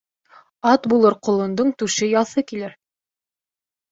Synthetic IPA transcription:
ɑt̪bulˠɤɾqŏlˠɤ̆nd̪oɴt̪ʉʃɘjɑθɤkilɘɾ

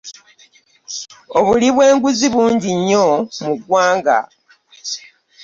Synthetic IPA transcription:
oβuliβwe̞ːŋɡuziβuːɲɟiɲːomuɡwaːŋɡa̰

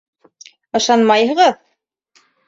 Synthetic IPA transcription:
ɤ̆ʃɑnmɑjɦɤ̆ʁɤð

